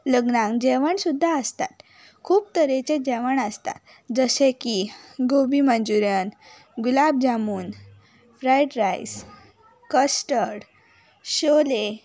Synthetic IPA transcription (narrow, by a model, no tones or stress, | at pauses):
ləɡnãŋkd͡ʑɛʋəɳsud̪ʱːaəst̪a̰t̪ | kʰuːb̚t̪əɾet͡ɕed͡ʑɛʋəɳəst̪a̰t̪ | d͡zəɕẽkiɡobimənd͡zuɾjən | ɡulab̚d͡ʑamuːn | fɾajʈɾajs | kəsʈəɽ | ɕole